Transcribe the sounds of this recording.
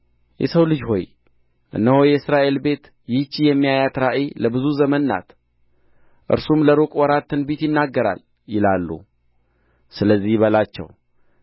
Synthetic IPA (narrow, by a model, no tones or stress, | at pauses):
jɛ̰səwlɨd͡ʒɦo̞̰j | ʔɨ̰nːəhojɛɨsɾaʔe̞lbe̞t̪ | jɪt͡ʃːijɛmːijajat̪ɾaʔiləbɨzuzəmənːa̰t̪ | ʔɨ̰ɾsumləɾokʼwɔɾat̪ːɨnbit̪jɪnːaɡːəɾa̰l | jɪlalːṵ | sɨləzːihβəlat͡ʃːɛ̰w